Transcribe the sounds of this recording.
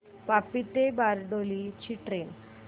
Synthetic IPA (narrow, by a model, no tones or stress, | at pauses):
papit̪ebaɾɖolit͡ɕiʈɾen